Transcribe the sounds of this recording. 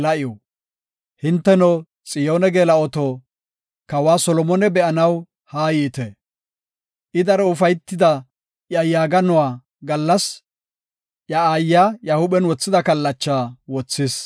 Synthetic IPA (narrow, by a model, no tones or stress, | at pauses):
lɐʔɪjɔ | hɪnt̪ːɛnɔ | t͡sʼɪjoːnɛɡeːlɐɔt̪ɔ | kɐwaːsɔlɔmɔnɛbɛʔɐnɐw | haːjiːt̪ɛ | ʔɪd̪ɐɾɛʊfɐjt̪ːɪd̪ɐ | jɐjaːɡɐnɔwaː | ɡɐlːɐs | ʔjɐaːjːajahʊbɛnwɔt͡sːɪd̪ɐkɐlːɐt͡ʃːaːwɔt͡sːɪs